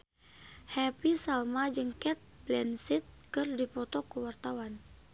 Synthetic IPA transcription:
hɛpisalmad͡ʒɨŋkɛt̪̚blɛnsit̪̚kɨrdipɔt̪ɔkuwart̪awan

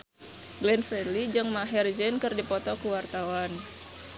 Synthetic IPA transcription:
ɡlɛnfɛlid͡ʒəŋmaɦɛrd͡ʒɛnkɨrdipɔt̪ɔkuwart̪awan

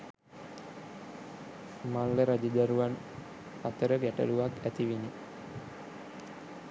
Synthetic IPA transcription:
malːəɾad͡ʒəd̪aɾuʋan | at̪əɾəɡæʈə̰luʋakæt̪iʋini

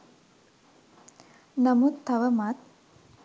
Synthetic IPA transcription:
nɐmut̪ʰːɐʋəmat̪̚

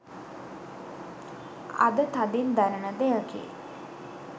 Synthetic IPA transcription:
a̰d̪ət̪ad̪ind̪ænənəd̪ejəkḛ

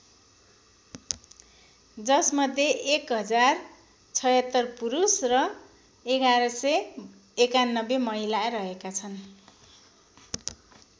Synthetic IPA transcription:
d͡zʌsmʌd̪ʱːjeʔekɦʌd͡zar | t͡sʰʌjʌt̪ːʌrpuɾusrʌ | eɡaɾʌsʌj | ekanːʌbemʌɦilarʌɦekat͡sʰʌn

